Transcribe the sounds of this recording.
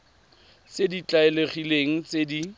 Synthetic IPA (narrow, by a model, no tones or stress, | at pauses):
sedit͡ɬʼaeleχileŋ̩t͡sedi